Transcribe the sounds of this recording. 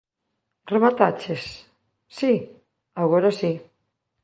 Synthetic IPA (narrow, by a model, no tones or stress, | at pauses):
reβat̪at͡ʃesː | i | aɣoɾasi